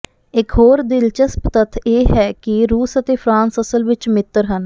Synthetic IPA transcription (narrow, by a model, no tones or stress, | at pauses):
ɪkɦoːɾd̪ɪlt͡ʃəspt̪ət̪ʰːeːɦɛːkɪɾuːsət̪eːpʰɾãːnsəsəlʋɪt͡ʃmɪt̪ːəɾɦən